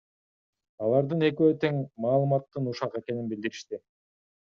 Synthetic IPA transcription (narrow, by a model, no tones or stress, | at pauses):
ɑlˠɑɾd̪ɯne̞k̬øt̪e̞ŋmɑːlˠɯmɑt̪ːɯnuʃɑqe̞ke̞ninbild̪iɾiʃt̪i